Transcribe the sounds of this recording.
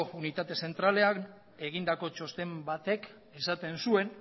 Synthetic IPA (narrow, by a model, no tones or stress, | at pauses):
ounit̪at̪e̞se̞nt̪ɾale̞an | e̞ɣ̞ind̪ako̞t͡ʃo̞st̪e̞mbat̪e̞k | e̞sat̪e̞nsue̞n